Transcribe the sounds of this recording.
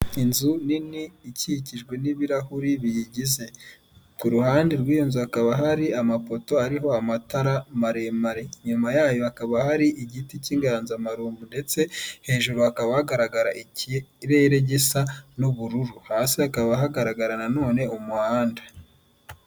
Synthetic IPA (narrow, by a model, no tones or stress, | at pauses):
inzuniniːciciʒɡwe̞niβiɾahuɾiβijiɟize̞ | kuɾuhaːndiɾwiːjonzuakaβaɦaɾiamapo̞to̞aɾiɦo̞amataɾamaɾe̞maɾe̞ɲumajaːjo̞akaβahaɾiʔiɟiticiːŋɡaɾanzamaɾuːmbunde̞t͡se̞he̞ːʒuɾuakaβahaɡaɾaɡaɾaʔiciɾeɾe̞ɟisanuβuɾuɾuhaːsiakaβaɦaɡaɾaɡaɾanano̞ːne̞umuhaːndḁ